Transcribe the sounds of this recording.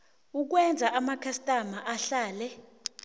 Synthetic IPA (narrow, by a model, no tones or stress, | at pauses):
uk̬wɛnd͡zʱaʔamakʰastʼamaʔaɬaːlɛ